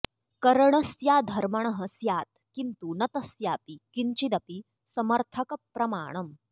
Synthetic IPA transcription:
kɐɾəɳ̃ɐsjaːd̪ʱɐɾmɐɳ̃ɐɦɐsjaːt̪̚kint̪unɐt̪ɐsjaːpikint͡ɕid̪ɐpi | sɐmɐɾt̪ʰɐkɐpːɾɐma̰ːɳ̃ɐm

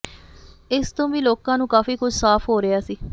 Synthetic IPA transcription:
ɪst̪õːʋiːloːkãːnũːkaːfiːkʊd͡ʒʱsaːpʰɦoːɾɪaːsiː

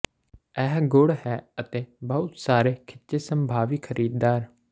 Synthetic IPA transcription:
ɛːɦɡʊɽhɛːət̪eːbəʊt̪saːɾeːkʰɪtːt͡ʃeːsəmbʱaːʋiːkʰəɾʔiːd̪d̪aːɾ

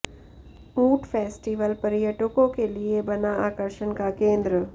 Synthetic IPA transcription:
uːʈfʰeːsʈiʋəlpɐɾijəʈəkõkeliebɐnaaːkəɾʃənkakẽːnd̪ɾə

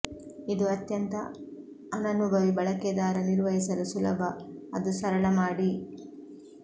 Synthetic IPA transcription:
id̪uɐt̪jɐnt̪ɐː | nɐnubʱɐʋibɐɭɐkɛd̪aːɾɐniɾʋɐɦisɐlusulɐbʱɐɐd̪usɐɾɐɭɐmaːɽi

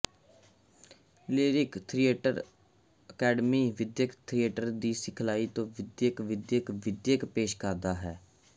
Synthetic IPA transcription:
leːɾɪkt̪ʰɾieːʈə̰ɾ | əkɛːɖmiːʋɪd̪jəkt̪ʰɾijeːʈəɾd̪iːsɪkʰlaːiːt̪õːʋɪd̪jəkʋɪd̪jəkʋɪd̪jəkpeːʃkəɾd̪aːɦɛː

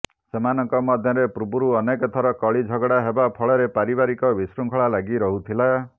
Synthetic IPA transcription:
semanɔŋkɔmɔd̪ʱjɔɾepɾubuɾuɔnekɔt̪ʰɔɾɔkɔɭid͡ʒʱɔɡɽaɦebapʰɔɭɔɾepaɾibaɾikɔbisɾuŋkʰɔɭalaɡiɾɔɦut̪ʰila

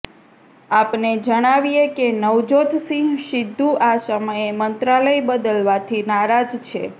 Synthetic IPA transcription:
apned͡ʒəɽ̃aʋijekenəʋd͡ʒot̪ʰsĩŋɡʃɪd̪ʱːuʔasəməjemənt̪ɾaləjbəd̪əlʋat̪ʰinaɾad͡ʒt͡ʃʰe

